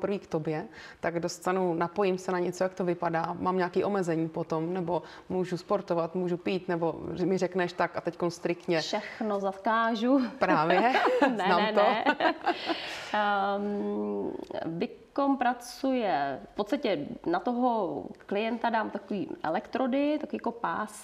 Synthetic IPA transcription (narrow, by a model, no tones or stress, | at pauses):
pr̩viːkt̪objɛt̪aɡdost̪anunapojɪmsɛnaɲɛt͡sojak̚t̪ovɪpadaːmaːmɲaːkiːʔo̞mɛzɛɲiːpot̪omnɛbo̞ | muːʒuspoɾt̪ovat̪muːʒupiːt̪nɛbo̞mɪrɛknɛʃt̪akat̪ɛckonst̪ɾɪkt̪ɲɛʃɛxnozakaːʒupɾaːvjɛnɛmaːnmɛno | vɪkompɾat͡sujɛfpot̪st̪acɛnat̪oɦoklɪjɛnt̪adaːmt̪akoviːʔɛ̰lɛkt̪ɾodɪt̪akoiːakopaːs